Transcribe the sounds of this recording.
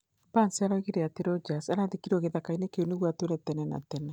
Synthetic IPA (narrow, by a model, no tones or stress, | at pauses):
bansiaɾaiɣiɾeateɾɔd͡ʒasaɾaðekiɾɔɣeðakainekeoneɣwatweɾɛtɛnɛna̰tɛnɛ